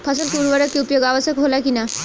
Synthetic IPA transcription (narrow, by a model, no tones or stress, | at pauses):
pʰɐsəlpuːɾʋəɾəkːeupjoɡaːʋəsjəkɦoːlakina